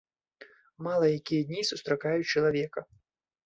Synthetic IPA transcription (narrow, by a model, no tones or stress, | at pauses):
malˠɐjakʲijɐd̪ʲnʲisust̪ɾakajut͡ʃɐlˠavʲɛkɐ